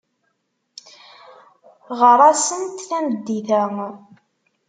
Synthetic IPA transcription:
ʁəɾˤæsənt̪θæməd̪ːiθæ

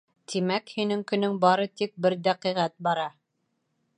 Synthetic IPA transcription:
t̪ʰimækhinɘŋkɵ̆nɵŋbɑɾɤt̪ik̚bɘɾd̪æqiʁæt̪̚bɑɾɑ

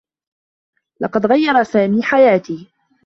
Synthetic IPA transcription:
lɑqɑd̪ɣajːɑɾˤɑsaːmiːħajaːt̪iː

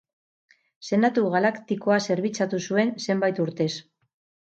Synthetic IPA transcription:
se̞nat̪uɣalakt̪iko̞ase̞ɾβit͡sat̪usue̞nse̞mbajt̪uɾt̪e̞s

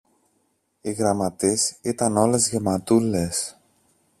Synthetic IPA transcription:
iɣɾɐmɐt̪isit̪ɐno̞le̞zʝe̞mɐt̪ulːe̞s

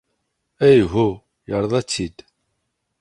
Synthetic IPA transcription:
æjɦu | jəɾˤðˤæt͡sːid̪̥

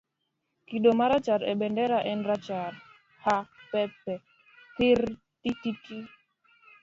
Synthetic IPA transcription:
kiɗomaɾat͡ʃaɾɛɓɛndɛɾaʔɛnɾat͡ʃaɾ | hapɛpɛ | tiɾ | tititi

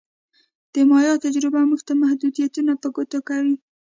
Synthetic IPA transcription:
d̪̥əmɑjɑt̪ad͡ʒɾɪbamuɡt̪amahd̪ud̪ijat̪unapəɡot̪okawi

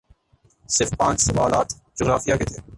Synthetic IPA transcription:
sɪɾfpãːt͡ʃsɐʋaːla̰ːt̪ʰ | d͡ʒoɣɾaːfijaket̪ʰeː

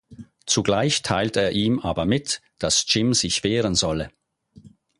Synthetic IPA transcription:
t͡suɡlaɪçtʰaɪlteːɐʔiːmʔaːbɐmɪtd̥ast͡ʃɪmzɪçv̥eːʁənzɔlə

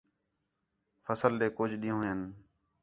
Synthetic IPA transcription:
fʰəsəlɗeːkʊːd͡ʒɗĩːõːɦən

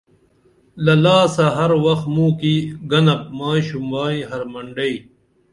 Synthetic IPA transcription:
lɐlaːsaɦɐɾwɐxt̪mũːkiɡɐnɐp̚maːɕumwaːĩɦɐɾmɐɳɖɐi

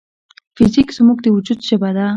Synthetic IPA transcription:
fɪzikz̥muɡd̪əwud͡ʒud̪ʃɪbad̪a

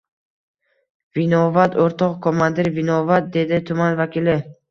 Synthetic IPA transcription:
vinɒvat̪oɾt̪ʰɒqkʰomand̪ɪɾvɪnɒvat̪̚d̪e̞d̪ɪt̪ʰʊmanvakʲilɪ

